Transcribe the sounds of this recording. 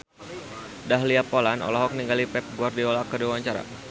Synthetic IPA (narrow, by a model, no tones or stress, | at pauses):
daɦliapolanɔ̰lɔɦɔk̚niŋɡalipɛp̚ɡuardiolakədiwaɲt͡ʃaɾa̰